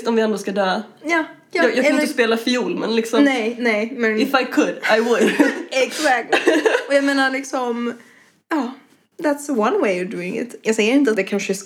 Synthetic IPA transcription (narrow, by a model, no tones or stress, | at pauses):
t̪ɔmvɪɛnd̪oːskad̪øːjɑː | jɑɑːjɑkɪəspeːlafɪjuːlmɛ̰nlɪksɔmnɛnɛɪmɛɪfaɪkʰʊd̪aɪwʊd̪ɛksækt̪lɔjameːnaɾlɪksɔm | ɑː | ðæt̪səwʌ̃nweɪɔvd̪ʉːɪ̰̃ŋɪ̰t̪jajsɛjəɾɪnt̪əat̪ɛkʰãnʃɪs